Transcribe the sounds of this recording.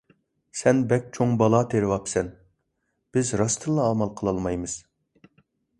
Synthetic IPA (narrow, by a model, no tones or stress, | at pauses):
sɛnbɛk̚ʲt͡ʃʰoŋbɑlˠɑt̪ʰeɾɪwɑpsɛn | b̥ɪzɾɑst̪ʰɨlˠːɑːmɑlˠqʰəlˠɑlˠmɑjmɨz̥